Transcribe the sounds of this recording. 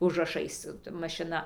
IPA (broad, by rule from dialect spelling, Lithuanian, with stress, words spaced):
ʊʒrɐˈʃɐɪs mɐʃʲɪˈnɐ